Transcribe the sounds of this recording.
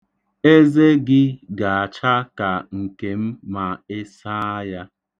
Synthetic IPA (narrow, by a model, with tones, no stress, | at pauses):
e˦ze˦ɡɪ˦ɡa˨a˨t͡ʃa˦ka˨ŋ̩˨ke˨m̩˦ma˨ɪ˦sa˦a˦ja˦